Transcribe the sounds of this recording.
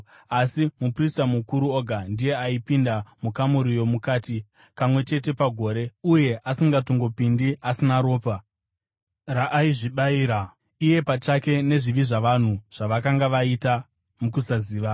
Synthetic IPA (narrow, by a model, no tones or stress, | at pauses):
asimupristamukuɾuoɡʱandije̞aipindamukamuɾijo̞mukaːti | pamwe̞t͡ʃe̞t̬e̞paɡʱo̞ːɾe̞uje̞ʔasiŋɡatoŋɡo̞pindiasinaɾo̞ːpa | raʔːiʐiɓaiːɾa | ije̞pat͡ʃake̞ne̞ʐiʋiʐaʋan̤uʐ̥aʋakaŋɡaʋaita | mukusaziːʋa